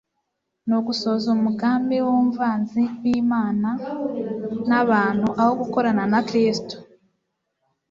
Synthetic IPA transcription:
noɡuso̞ːzumuɡaːmbewoɱvaːnziwiːmaːna | naβaːn̥huʔaho̞ɡuko̞ɾananakɾiːsi̥to̥

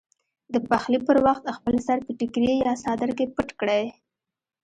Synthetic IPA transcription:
d̪əpaxlipəɾwaxt̪xpəlsaɾpəʈɪkɾejɑsɑd̪əɾkepəʈkɽaj

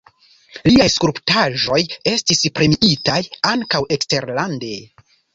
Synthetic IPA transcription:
liajskuɾptaʒo̞je̞stispɾe̞miitajaŋkawe̞kste̞ɾlande̞

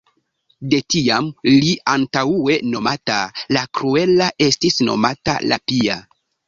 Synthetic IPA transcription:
de̞tiamliʔantaue̞no̞matalakɾue̞laʔe̞stisno̞̰mata̰la̰pia

